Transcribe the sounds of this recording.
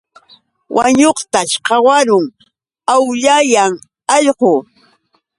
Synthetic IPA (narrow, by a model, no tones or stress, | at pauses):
wʔa̰ɲoχt̪aʃqɑwaɾʊŋ | awʎajaŋ | ɑʎqo